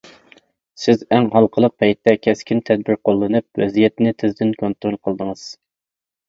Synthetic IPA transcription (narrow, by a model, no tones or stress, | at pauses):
sɪzæŋɦɑlˠqʰəlˠəq̚pʰɛjt̪ːɛkʲʰɛskʲʰint̪ʰɛd̪̚bɪɾqʰolˠːɨnɨp̚wɛzijɛt̪nɪt̪ʰɪzd̪ɪnkʰont̪ɾolˠqʰəlˠd̪əŋəz̥